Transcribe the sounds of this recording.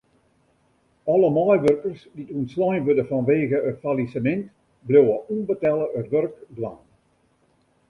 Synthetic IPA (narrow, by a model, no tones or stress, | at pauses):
ɔləmɔjʋørkərsditunslɔjnʋødəfɔnʋeːɣəətfalisəmɛnt | blowəʔunbətɛlˠəətʋørkbla̰ːn